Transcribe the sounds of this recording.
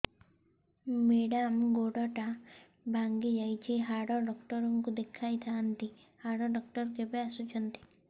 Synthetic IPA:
meɽamɡoɽɔʈa | bʱaŋɡid͡ʒajt͡ʃʰiɦaɽɔɖɔkʈɔɾɔŋkud̪ekʰajt̪ʰaːnt̪i | haɽɔɖɔk̚ʈɔɾkebeasut͡ʃʰɔnt̪i̥

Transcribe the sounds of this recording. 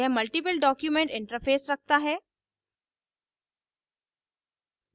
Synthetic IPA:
ɛɦmɐlʈip̬əlɖɔːkjumẽɳʈɪ̃ɳʈəɾfʰeːsɾɐk̚t̪aɦɛː

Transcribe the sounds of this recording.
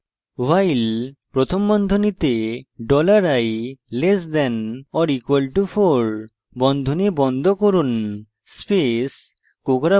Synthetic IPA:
wajlpɾot̪ʰombɔnd̪ʱonit̪eɖɔlaɾajlesd̪ɛnɔɾikualʈufʰoɾ | bɔnd̪ʱonibɔnd̪ʱokoɾun | spes | kokɾa

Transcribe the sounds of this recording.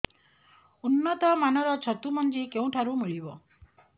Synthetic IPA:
unːɔt̪ɔmanɔɾɔt͡ʃʰɔt̪umɔnd͡ʒikeũʈʰaɾumiɭibɔ

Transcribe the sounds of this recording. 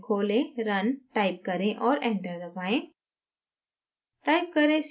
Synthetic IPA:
kʰoːlẽɾɐnʈaːɪp̚kɐɾẽʔɔːɾɛ̃ːɳʈəɾd̪əpaːẽ | ʈaːɪp̚kɐɾẽs

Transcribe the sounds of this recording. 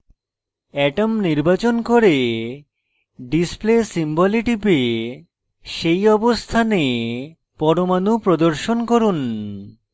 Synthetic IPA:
ɛʈomniɾbat͡ɕonkoɾe | ɖisplesimbɔliʈipe | ʃejɔbost̪ʰane | pɔɾomanupɾod̪oɾʃonkoɾun

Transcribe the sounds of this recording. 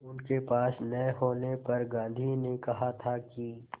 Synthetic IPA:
ʊnkepaːsnɐɦoːnepɐɾɡãːnd̪ʱinekɐɦat̪ʰaki

